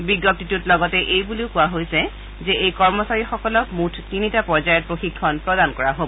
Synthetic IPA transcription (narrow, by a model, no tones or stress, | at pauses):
biɡɔp̚titutlɔɡɔtɛʔejbuleʊkʊwaɦojsɛ | zɛejkɔɹmɔsaɹixɔkɔlɔkmutʰtinitapɔɹzajɛt̚pɹoxikʰːɔnpɹɔdankɔɹaɦobɔ